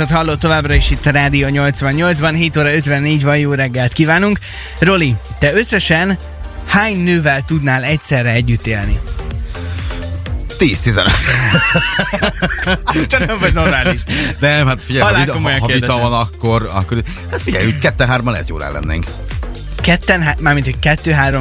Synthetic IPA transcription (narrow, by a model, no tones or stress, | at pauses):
ot̪hɒlːo̞t̪ːo̞vaːbrɒeʃit̪ːɒɾaːd̪ioɲo̞lt̪sʋɒɲːo̞ld̪zbɒnɦeːt̪oːɾɒø̞t̪vɛnːeːɟvɒnjoːrɛɡːɛlt̪kiːvaːnuŋk | ro̞lit̪ɛøsːɛʃɛn | haːɲnøːvɛlt̪ud̪naːlɛc̚sɛrːɛɛɟːyt̪ːeːlni | t̪iːst̪izɛ̰nøt̪ | ut̪aɛmvɒɟno̞rmaːliʃnɛmhat̪fiɟɛjɒlaikomojŋevid̪ɛɒonɒkːoɾɒ̰kːoɾi | hat̪fiɟɛ̰jyckɛt̪ːɛɦaːɾomɒnɛ̰ɛ̰t̪jo̰ːlɾa̰ːlɛ̰nːḛːŋk | kɛt̪ːɛnɦamaːrmint̪hockɛt̪ːøːɦaːɾom